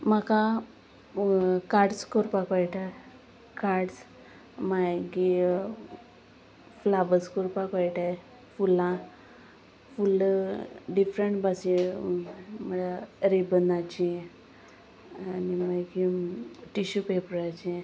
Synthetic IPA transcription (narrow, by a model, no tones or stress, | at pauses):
maka | kaɾɽskoɾpakʋajʈa | kaɾɽs | majɡi | flaʋəskɔɾpakʋajʈaj | fulã | ful | ɖifɾəɳʈbasi | məɽaɾebənat͡ɕi | animajɡiʈiɕupepɾat͡ɕi